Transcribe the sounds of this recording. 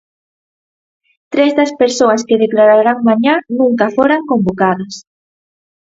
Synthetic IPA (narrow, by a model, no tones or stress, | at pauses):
t̪ɾezðɐspeɾsoaskeðeklaɾaɾaŋmãɲanũŋkafoɾaŋkombokaðɐs